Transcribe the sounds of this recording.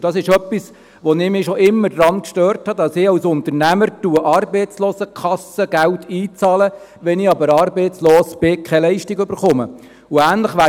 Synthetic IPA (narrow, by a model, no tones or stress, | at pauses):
d̥ɑsɪʃœpːis | ʋɔnɪmɪʃɔʔɪmːəɾd̥ɾɑnkʃtøːrthɑdɑsɪɑwsʊnt̪əɾnæməɾtuəʔɑːrbɛɪt͡sloːsəkʰχɑsəɡæltʰiːt͡sɑːlə | ʋɛnɪɑbəɾɑːɾbɛɪt͡sloːsb̥ɪkʰɛlɛɪʃtɪɡʏb̥əɾχʊmə̰ | ʊæːnləχʋæː